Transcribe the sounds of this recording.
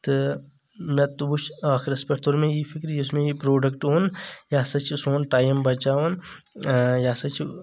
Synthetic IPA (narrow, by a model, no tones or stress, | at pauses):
t̪ɨ | mẽt̪ubuʃaːkʰɾɐspʲeʈt̪ʰoɾmẽjipʰikɾjʊsmẽjipɾoːɖɐkʈoːnjaːsɐt͡ʃsoːnʈaːjɐmbɐt͡ʃaːʋɐn | jaːsɐt͡ʃʰ